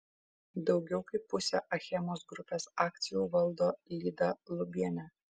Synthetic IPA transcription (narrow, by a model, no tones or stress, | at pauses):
d̪ɒʊɡʲɛʊkɐɪpːʊsʲɛ̰ʔɐxʲɛmoːsɡɾʊpʲeːsɑːk̚t̪sʲɪjuːʋɐlˠd̪oːlʲiːd̪ɐlˠʊbʲiɛnʲæ